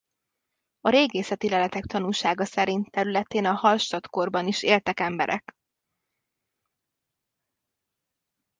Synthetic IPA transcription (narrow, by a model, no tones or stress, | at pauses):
ɒɾeːɡeːsɛt̪ilɛlɛt̪ɛkt̪ɒnuːʃaːɡɒsɛɾint̪t̪ɛɾylɛt̪eːnɒhɒlʃt̪ɒt̪ko̞rbɒniʃeːlt̪ɛkɛmbɛ̰ɾʔɛ̰k